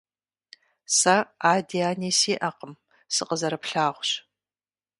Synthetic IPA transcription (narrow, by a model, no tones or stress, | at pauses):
sɐaːdiaːniːsiːʔɐqəm | sɨqəzɐɾɨpɬaːʁʷɕ